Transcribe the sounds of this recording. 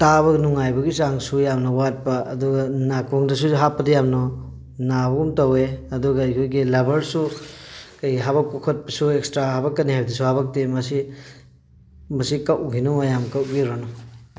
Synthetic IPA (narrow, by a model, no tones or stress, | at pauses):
taβɐnuŋajbɐɡisaŋsujamnɐwat̚pɐɐduɡɐnakʰoŋdɐs̬uɦapːɐdɐjamnɔ | nabɐɡumtɐweɐduɡɐɐjkʰojɡilɐbɐɾsu | kɐjɦaβɐkːokʰot̚pɐsuekstɾaɦabɐkːɐniɦajbdisuhabɐk̚temɐsi | mɐsikɐwʔɡinumɐjamkɐwɡiɾɔnɔ